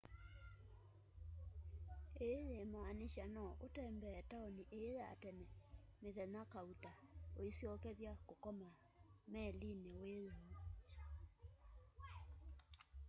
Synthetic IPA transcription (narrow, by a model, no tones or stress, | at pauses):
eðemaːneʃanɔʔotɛːmbɛːtaɔniʔeɾa̰tɛnɛmeðɛnakautaoisiɔkɛðjakokɔma | mɛlineweɾemo